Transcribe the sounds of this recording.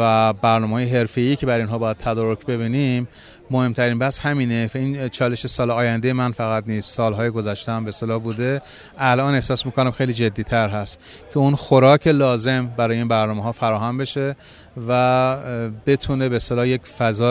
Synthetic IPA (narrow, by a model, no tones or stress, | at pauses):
væbæɾnɒːmeːjeɦe̞ɾfe̞iːcʰe̞bæɾinɦɒːbɒːjæd̪̚t̪ʰæd̪ɒːɾocʰbe̞βiːnimː | ohe̞mt̪ʰæɾiːnbæhshæmiːneint͡ʃʰɒːle̞ʃesɒːlɒːjænd̪ejemænfæɣæt̪niːst̪sɒːlɦɒːjeɡo̞zæʃt̪eæmbeːst̪e̞lɒːbuːd̪e̞ | ælʔɒːne̞hsɒːsmiːkonæmxejliːd͡ʒe̞d̪ːiːt̪ʰæɾɦæst̪ | cʰe̞unxoɾɒːcʰe̞lɒːze̞mbæɾɒːjeiːnbæɾnɒːmeɦɒːfæɾɒːɦæmbe̞ʃe̞ | væ | be̞t̪ʰuːne̞beːst̪e̞lɒːjekfæzɒː